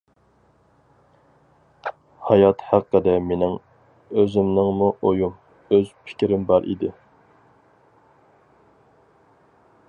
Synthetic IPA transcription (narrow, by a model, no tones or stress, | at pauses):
hɑjɑt̪hæqːəd̪ɛmenɪŋ | øzɪmnɪŋmuʔojum | øzpʰɪ̥kʲɾɪmbɑɾʔḭd̪ɪ